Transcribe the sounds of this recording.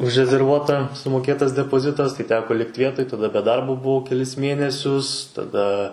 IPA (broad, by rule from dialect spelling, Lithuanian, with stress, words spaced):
ʊʒʲrʲɛzʲɛrˈʋuɔtɐ sʊmoːˈkʲeːtɐs dʲɛpoːˈzʲɪtɐs tɐɪ ˈtʲæːkoː ˈlʲɪktʲ ˈʋʲiɛtoːj tɐˈdɐ bʲɛ ˈdɐrboː bʊˈʋɐʊ kʲɛˈlʲɪs ˈmʲeːnʲɛsʲʊs tɐˈdɐ